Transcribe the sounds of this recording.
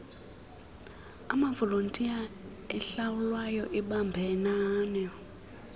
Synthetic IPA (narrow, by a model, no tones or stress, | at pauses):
a̰mavɔlontʼia | ɛɬawulwajɔʔiɓambʱɛnaːnɔ